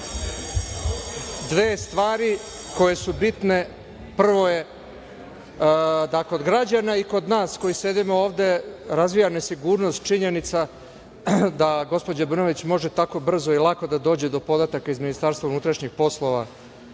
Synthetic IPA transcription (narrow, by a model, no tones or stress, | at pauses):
d̪ʋeːst̪ʋaːɾiko̞je̞subit̪ne̞ | pr̩ʋo̞je | d̪ako̞d̪ɡɾad͡ʑanaiko̞d̪naːsko̞jise̞d̪imoo̞ːʋd̪e̞ɾazʋijanesiɡuːɾno̞st̪t͡ʃiɲe̞nit̪sa | d̪aɡo̞spo̞d͡ʑabr̩no̞ʋit͡ɕmo̞ʒet̪ako̞br̩zo̞ilˠako̞d̪ad̪o̞ːd͡ʑe̞d̪o̞po̞d̪at̪akaizminist̪aɾst̪vaunut̪ɾaʃɲixpo̞slˠo̞ʋa̰